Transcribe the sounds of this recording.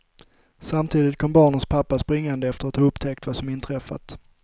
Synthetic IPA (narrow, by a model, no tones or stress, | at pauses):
samt̪ʰiːd̪ɪt̪kʰɔmbɑːɳənspʰapːaspɾɪŋːand̪əɛft̪əɾat̪hɑːɵpt̪ʰɛk̚t̪vasɔmɪnt̪ʰɾɛfːa̰t̪